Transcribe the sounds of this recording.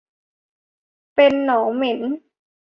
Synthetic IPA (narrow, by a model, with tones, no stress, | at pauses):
pe˧nːɔː˩˦ŋme˩˦n